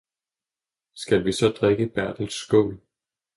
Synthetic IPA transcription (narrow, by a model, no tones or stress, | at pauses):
sɡ̥ælʋisɒ̽d̥ʁeɡ̥əb̥æɐd̥l̩sːɡ̥ɔ̰ːl